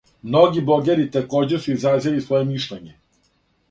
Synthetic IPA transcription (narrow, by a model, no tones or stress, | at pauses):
mno̞ɡiboɡeɾit̪eko̞ːd͡ʑesuizazilisʋo̞jemiʃlʎʲeɲe